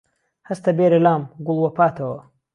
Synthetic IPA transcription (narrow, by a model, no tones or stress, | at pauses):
hɐst̪ɐbeːɾɐlaːmɡʊlˠwɐpʰaːt̪ʰɐwɐ